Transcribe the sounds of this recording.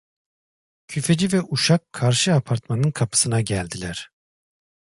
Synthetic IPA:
cʰyfe̞d͡ʒivɛʔuʃakʰːaɾʃɯapʰaɾt̪manɯnkʰapʰɯ̥sɯnaɟælʲd̪ilʲæɾ̥

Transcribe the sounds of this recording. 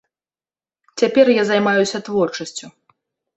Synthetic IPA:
t͡sʲapʲɛrjazajmajusʲɐt̪vɔrt͡ʂɐsʲt͡sʲu

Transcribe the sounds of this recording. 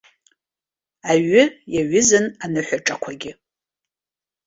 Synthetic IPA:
aɥɪjaɥɪzɨnanɨħʷᶣaʈ͡ʂʼakʷʰaɡʲɪ

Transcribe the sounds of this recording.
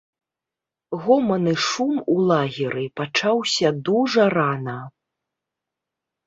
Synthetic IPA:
ɣɔmɐnɨʂumulˠaɣʲiɾɨpat͡ʂawsʲɐd̪uʐɐɾanɐ

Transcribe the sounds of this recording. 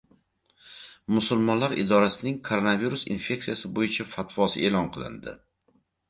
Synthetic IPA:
mʊsʊlˠmɒnlaɾʔɪ̰d̪ɒɾasɪnɪŋkʰoɾonaviɾusḭnfʲe̞k̚sijasɪbojɪt͡ʃʰafat̪vɒsɪe̞lɒnqʰɨlˠɪ̰nd̪ɪ̰

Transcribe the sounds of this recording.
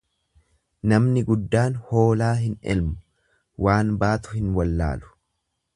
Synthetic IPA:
nɐmnɪɡʊd̪ːaːnho̞ːlaːɦɪnʔɛ̰lmʊ̥ | waːnbaːt̪ʊhɪnwɐlːa̰ːlʊ̥

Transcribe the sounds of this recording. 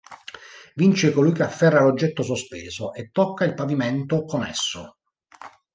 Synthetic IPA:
vint͡ʃekolujkeafːɛrːalod͡ʒːɛt̪ːos̬ospeːzoʔet̪ːɔkːailpavimɛnt̪okonɛ̰sːʊ̰

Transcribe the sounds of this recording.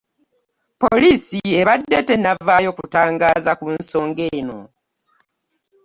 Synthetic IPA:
polisieβadːe̞te̞navaːjo̞kutaːŋɡaːzakunso̞ːŋɡe̞ːno̞̰

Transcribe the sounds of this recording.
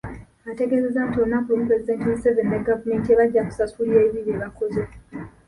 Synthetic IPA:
atekezezantonakomupɾezidentiɲsɛvɛndaɡavamentieβad͡ʒaku̥sasuɾiaiβiβeβakoze

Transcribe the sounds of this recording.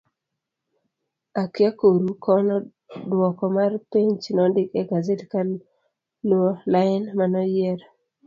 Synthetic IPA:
akjakoɾukɔnɔ | dwɔkɔmarpiɲt͡ʃinɔndɪkeɡazetkal | luolaɪnmanɔjɛɾ

